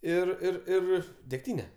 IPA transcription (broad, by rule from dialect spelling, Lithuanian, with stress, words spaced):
ˈɪr ˈɪr ˈɪr dʲɛkˈtʲiːnʲɛ